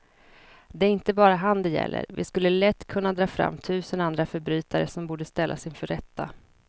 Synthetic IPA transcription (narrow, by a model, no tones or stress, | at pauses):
d̪ɛæɾɪnt̪əbɑːɾaɦand̪ɛjɛ̰lːə̰ɾvɪ̰skɵlːəlɛt̪ːkʰɵnːad̪ɾɑːfɾa̰mːt̪ʰʉ̟ːsənand̪ɾafœɾbɾyːt̪aɾəsɔmbuːɖəst̪ɛlːʔa̰sɪnfœɾɛt̪ʰːa